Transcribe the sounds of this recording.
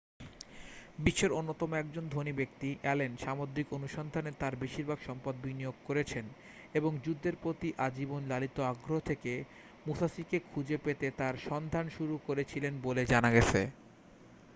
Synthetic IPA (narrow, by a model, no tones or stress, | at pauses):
biʃːeɾonːot̪ɔmoɛk̚d͡ʑond̪ʱonibekt̪iʔɛlenʃamod̪ɾikonuʃɔnd̪ʱanet̪aɾbiʃiɾbʱaɡʃɔmpad̪̚binijoɡ̚koɾet͡ɕʰen | eboŋd͡ʑud̪ʱːeɾpɾot̪iʔad͡ʑibonlalit̪oaɡɾoɦot̪ʰeke | musasikekʰud͡ʑepet̪et̪aɾʃɔnd̪ʱanʃuɾukoɾet͡ɕʰilenboled͡ʑanaɡɛt͡ɕʰḛ